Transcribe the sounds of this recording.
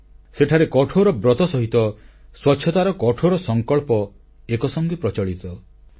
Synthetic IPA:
seʈʰaɾekɔʈʰoɾɔbɾɔt̪ɔsɔɦit̪ɔswɔtːʃʰjɔt̪aɾɔkɔʈʰoɾɔsɔŋkɔɭpɔ | ekɔsɔŋɡipɾɔt͡ʃɔɭit̪ɔ

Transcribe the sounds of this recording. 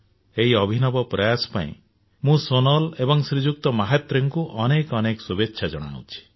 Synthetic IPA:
eɦiɔbʱinɔbɔpɾɔjasɔ̥pa̰ḭ̃ | mũsonɔlebɔŋsɾid͡ʒuk̚t̪ɔmaɦet̪ɾeŋkuʔɔnekɔnekɔsubetːʃʰad͡ʒɔɽ̃a̰ɽṵ̃t͡ʃʰi̥

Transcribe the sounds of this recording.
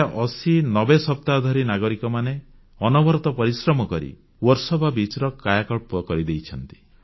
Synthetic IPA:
ʔɔsinɔbesɔp̚t̪ad̪ʱɔɾinaɡɔɾikɔmane | ɔnɔbɔɾɔt̪ɔpɔɾisɾɔmɔkɔɾḭ | wɔɾsɔbʱabit͡ʃɾɔkajakɔɭpɔkɔɾid̪ejt͡ʃʰɔnt̪i̥

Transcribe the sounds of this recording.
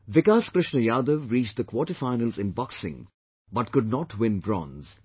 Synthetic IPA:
ʋɪkaːskɾɪʃnəjaːd̪əʋɾiːt͡ʃ̚d̪əkwɔʈifaɪnəlzɪ̃nbʌksɪ̰̃ŋ | bʌʈ̚kʊɖ̚nɔʈwɪ̃nbɾɔ̰̃ːnz̥

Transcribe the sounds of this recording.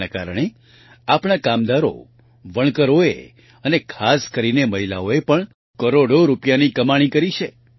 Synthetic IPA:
aka̰ɾəɽ̃e | apɽ̃akamd̪aɾo̰ | ʋəɳ̃kəɾoḛ | ənekʰaskəɾineməɦila̰oepəɳ | kəɾoɽoɾupjanikəmaɽ̃ikəɾit͡ʃʰe

